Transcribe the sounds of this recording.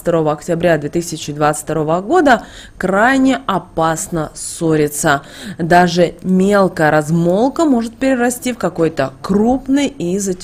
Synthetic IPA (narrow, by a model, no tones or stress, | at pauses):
t̪ɐɾo̞vəɐktʲɪɪbɾʲad̪vʲet̪ɨsʲɪt͡ɕɪd̪vat̪sɨ̥fʲt̪ɐɾo̞vəɡo̞d̪ə | kɾajnʲɪɐpasnəso̞ɾʲɪt̪sə | d̪aʐɨmʲe̞lˠkəjəɾɐzmo̞lˠkəmo̞ʐɨt̪̚pʲɪɾʲɪɾɐsʲtʲifkɐko̞jt̪əkrupnɨjizətʲ